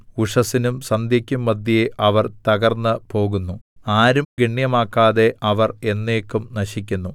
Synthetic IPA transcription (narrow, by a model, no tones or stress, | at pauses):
uʂɐsinumsɐnd̪jɐkʲːumːɐd̪ʱjɐjeʔɐʋɐrt̪ɐɣɐrnːɨpo̞ːɣunːuaːɾumɡiɳjɐmaːkːaːðe̞ʔɐʋɐre̞nːe̞ːkːumnɐɕikʲːunːu